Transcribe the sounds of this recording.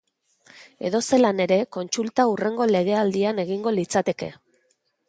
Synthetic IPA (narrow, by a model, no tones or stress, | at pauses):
eðo̞se̞lane̞ɾe̞ko̞nt͡sult̪aure̞ŋɡo̞le̞ɣ̞e̞ald̪iane̞ɣ̞iŋɡo̞lit͡sat̪e̞ke̞̰